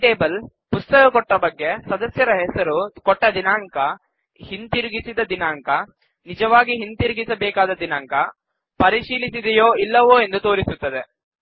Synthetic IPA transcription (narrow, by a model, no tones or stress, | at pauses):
ʈeːbɐl | pust̪ɐkɐkɔʈːɐbɐɡːe̞sɐd̪ɐsjɐɾɐɦɛsɐɾukɔʈːɐd̪inaːŋkɐ | hint̪iɾuɡisid̪ɐd̪inaːŋkɐ | nid͡ʒɐʋaːɡiɦint̪iɾuɡisɐbɛːkaːd̪ɐd̪inaːŋkɐ | pɐɾiʃiːlisid̪ɛjoːilːɐʋoːe̞nd̪ut̪o̞ːɾisut̪ːɐd̪e̞